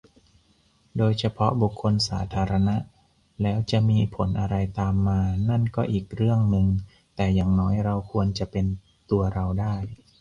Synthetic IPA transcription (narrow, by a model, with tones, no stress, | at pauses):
doː˧jt͡ɕʰa˧pʰɔ˦˥bu˨˩kʰːo˧nsaː˩˦t̪ʰaː˧ɾa˧na˦˥ʔ | lɛː˦˥wt͡ɕa˨˩ʔmiː˧pʰo˩˦nʔa˧ɾa˧jt̪aː˧mːaː˧na˥˩nkɔː˥˩ʔiː˨˩k̚ɾɯ˥˩əŋnɯ˨˧ŋ | t̪ɛː˨˩jaː˨˩ŋnɔː˦˥jɾa˧wkʰu˧ənt͡ɕa˨˩ʔpe˧n | t̪u˧ɐɾa˧wdaː˥˩j